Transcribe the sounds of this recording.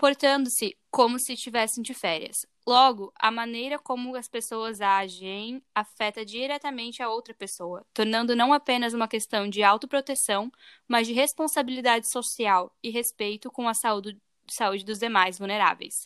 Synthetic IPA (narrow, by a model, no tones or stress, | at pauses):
poɾt̪ɐ̃nd̪ʊsɪkõmʊsɪst͡ʃivɛsẽj̃d͡ʒɪfɛɾiɐ̰s | lɔɡʊʔɐ̰mɐ̃nejɾɐkõmʊɐspesowɐzaʒẽj̃afɛt̪ɐd͡ʒiɾɛt̪ɐmẽnt͡ʃɪɐowt̪ɾɐpesowɐt̪oɾnɐ̃nd̪ʊnɐ̃w̃apẽnɐzũmɐkest̪ɐ̃w̃d͡ʒɪawt̪ʊpɾot̪esɐ̃w̃ | mɐzd͡ʒɪɦespõsabilid̪ad͡ʒɪsosiawɪɦespejt̪ʊkõw̃ɐsau | saud͡ʒɪd̪ʊzd̪emajzvuwneɾa̰vḛjs